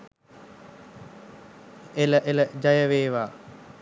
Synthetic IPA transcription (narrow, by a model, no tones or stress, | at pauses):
eləʔeləd͡ʒajəʋeːʋaː